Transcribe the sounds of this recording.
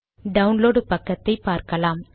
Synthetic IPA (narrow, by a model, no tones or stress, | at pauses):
ɖɐʊnloːɽɯpɐkːɐt̪ːɐɪpaːɾkɐlaːm